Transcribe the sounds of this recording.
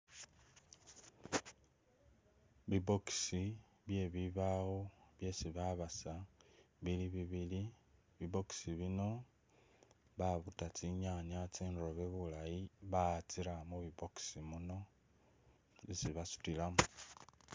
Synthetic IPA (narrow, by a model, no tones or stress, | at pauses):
βibo̞ksi | βje̞βiβaɣoβje̞siβaβasaβiliβiβili | βibo̞ksiβino̞ | βaβutat͡siɲaɲat͡sinroβe̞βulajiβat͡siɾamuβiboksimuno̞ | isiβasu̥tilamu